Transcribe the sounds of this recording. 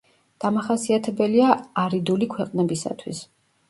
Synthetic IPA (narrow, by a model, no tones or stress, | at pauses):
d̪̥amaχasiat̪ʰɛbɛliaaɾid̪ulikʰwɛqʼnɛbisa̰t̪ʰwḭs